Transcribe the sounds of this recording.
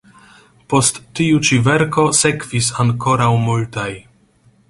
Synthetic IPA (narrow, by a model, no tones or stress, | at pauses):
po̞stːiut͡ʃive̞ɾko̞se̞kvisaŋko̞ɾawmultaj